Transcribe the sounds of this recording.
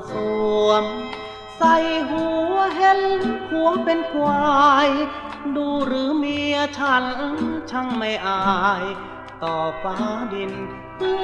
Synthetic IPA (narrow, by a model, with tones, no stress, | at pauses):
sʰu˧˩əm | sa˧˩jɦuː˨˦ɦe˧˥nhʰuː˨˦əmpe˧nkʰwaː˧j | duː˧ɾɯː˨˦mi˧ət͡ɕʰaː˧˩nʔɯ˧˥ŋt͡ɕʰa˧ŋma˧˥˩jʔaː˧j | t̪ɔː˨˩paː˧˩di˧n | ɯ˧